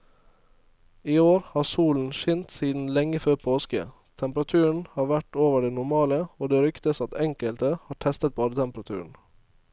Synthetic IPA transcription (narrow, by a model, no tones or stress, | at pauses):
iːoːɾhɑːsuːln̩ʃʏnt̪siːd̪n̩lɛŋəføːpʰoːskə̰ | t̪ʰɛmpɾɑt̪ʰʉːəɳ̩hɑːɾʋæʈoːʋəɖeːnʊɾmɑːləoːd̪eːɾʏkt̪əsɑt̪ɛŋkəlt̪əhɑːʈʰɛst̪ət̪̚bɑːd̪ət̪ʰɛmpəɾɑt̪ʰʉ̰ːəɳ̩